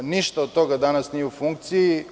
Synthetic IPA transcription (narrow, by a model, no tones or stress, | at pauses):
niʃt̪oot̪ːoɡad̪anasniufuŋk̚t̪siː